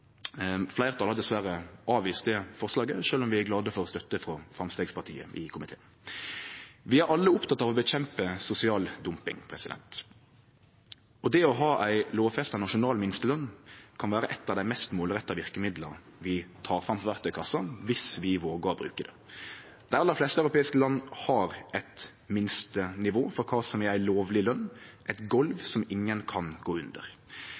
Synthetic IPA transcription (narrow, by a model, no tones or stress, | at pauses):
flæɪʁət̪ʰɑlɑd̪ɛsʋæɾəʔɑːʋiːst̪ɛfɔʁslɑːɡəʃøːlɔmʋɪæɾɡlɑːd̪əfɔɾʁɔst̪œt̪ːəfɾɔfʁɑmst̪eːɡspɑʁt̪ʰḭːə̰ʔɪkʰʊmɪt̪ʰḛːn | ʋɪæɾɑlːəʊpt̪ʰɑt̪ːɑːʋɔbəc͡çɛmpəsʊsɪɑːld̪ʊmpɪ̰ŋpʰɾɛsɪd̪ɛ̰nt̪ | ɔd̪ɛɔɦɑːʔæɪloːʋfɛst̪ɑnɑʂʊnɑːlmɪnst̪əlœnːkʰɑnʋæːɾəʔɛt̪ːɑʋd̪æɪmɛst̪moːlʁɛt̪ːɑʋɪʁkəmɪd̪ləɾ | ʋɪt̪ʰɑːɾfɾɑmpʰɔʋæɾt̪ʰœʏkʰɑsːɑʋɪsʋɪʋoːɡəɾɔbɾʉ̰ːkəd̪ɛ̰ | d̪̥æɪɑlːəɾflɛst̪əæœʉɾʊpʰeːɪskəlɑnːhɑɾʔɛt̪ | mɪnst̪ənɪʋoːfɔɾkʰɑːsɔmææɪloːʋlɪlœnːʔæɪt̪ɡɔlʋsɔmɪŋːənkʰɑnɡoːʉnd̪ə̰ɾ